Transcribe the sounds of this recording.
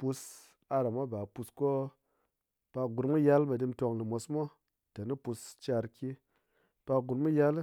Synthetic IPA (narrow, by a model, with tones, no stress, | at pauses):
pu˧s | a˧ɾa˨mo˦ba˨pu˧sko˦ | pa˧ɡu˨ɾmu˦ja˦lma˨di˧mto˧ŋli˨mo˧smo˦ | ta˨ni˦pu˧st͡ʃa˧ɾki˦ | pa˧ɡu˨ɾmu˦ja˦l